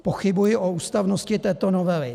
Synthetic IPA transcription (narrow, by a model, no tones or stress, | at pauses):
poxɪbujɪʔouːst̪avnoscɪt̪ɛːt̪onovɛlɪ